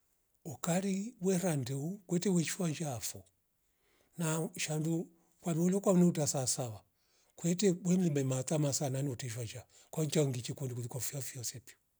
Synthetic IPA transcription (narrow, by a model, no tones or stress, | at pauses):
ɔkaɾiwwɛɾandɛukwɛtɛwɛʃwaɲd͡ʒaːfɔ | naʃandu | kwamɔlɔkwaunɛutasasaβa | kwɛtɛbwɛm̩imɛmatamasananiɔtɛʃwaɲd͡ʒa | kwaɲt͡ʃaŋɡit͡ʃɛkɔndikuðikwafuafjɔsɛpjɔ